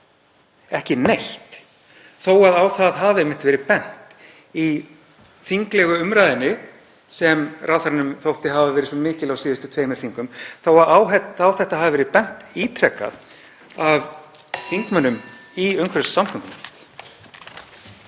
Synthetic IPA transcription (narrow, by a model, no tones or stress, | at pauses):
ɛhcɪnejl̥t̪ | θoːwaðawθaðɦavɛmːɪht̪vɛːɾɪpɛn̥t̪ | i | θiŋklɛɣʏʏmɾajðɪnːɪ | sɛmrʔaːwθaɾanʏmθowht̪ɪɦavavɛːɾɪsɔmɪːcɪlawsiːðʏst̪ʏt̪ʰveːjmɛɾθiŋkʏmθawaawɛt̪awθɛht̪aɦavavɛɾɪpɛn̥t̪iːt̪ʰɾɛkːa̰ð | av | θiŋkmanʏmiœɥŋkʰvɛɾsːamkʰʏŋɪnt̪